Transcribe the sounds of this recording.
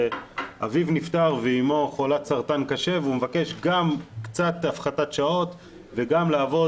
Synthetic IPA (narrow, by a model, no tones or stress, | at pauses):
ʔavivnift̪aʁveimo̞χolat̪saʁt̪ankaʃe̞veumevake̞ʃɡamkt͡sat̪afχatat̪ʃao̞t̪ | veɡamlaːvo̞